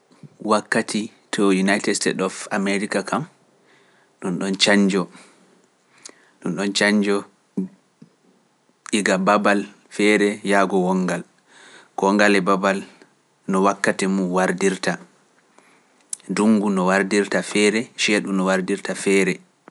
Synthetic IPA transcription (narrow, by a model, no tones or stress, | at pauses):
wakːatʰi | tʰɔjunajtɛstɛ̰dɔfamɛɾikakʰam | ɗunɗɔnt͡ʃaɲd͡ʒɔ | ɗunɗɔnt͡ʃaɲd͡ʒɔ | iɡababal | fɛɾɛjaɡɔwɔŋɡal | kɔŋɡalɛbabal | nɔwakːatimuwaɾdiɾta | duŋɡunɔwaɾdiɾtafɛɾɛʃɛɗumnɔwaɾdiɾtafɛːɾɛ